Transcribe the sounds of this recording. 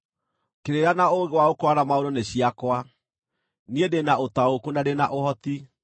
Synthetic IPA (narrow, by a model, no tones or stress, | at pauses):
keɾeɾanaoɣewaokwaɾamaoɾoneɕjiakwa | niedenaotaokunadenaʔohɔt̪i